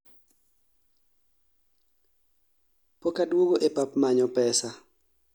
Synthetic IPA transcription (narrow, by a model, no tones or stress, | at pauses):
pokadwoɡoʔepapmaɲɔpɛsa